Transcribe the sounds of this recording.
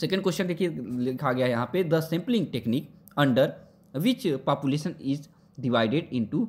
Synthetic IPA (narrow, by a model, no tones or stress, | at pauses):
sɛːkə̃ɳɖkwɛsʃə̃nd̪ekʰilɪkʰaːɡɪaːɦɛjɐɦãːped̪əsɛ̃mplɪ̃ŋɡʈɛkniːk | ə̃ɳɖəɾ | ʋɪt͡ʃpaːpjuleːʃənɪz | ɖɪʋaːɪɖeɖɪ̃ɳʈuː